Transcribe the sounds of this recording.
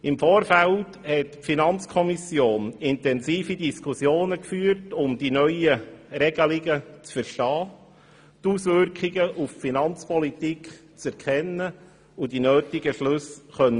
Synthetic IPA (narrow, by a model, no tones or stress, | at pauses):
ɪmfoːɾfælthɛtpfinɑnt͡skʰɔmisjoːnɪntɛnsiːfidiskʰusjoːnəkfyːəɾtʊmdinœʏjərɛɡ̥əliɡət͡sfəɾʃtɑː | tusʋʏɾkχɪɡəʔuffinɑnt͡spɔlitik | t͡sɛɾkʰɛnːə | udinøːtɪɡəʃlɵsχœn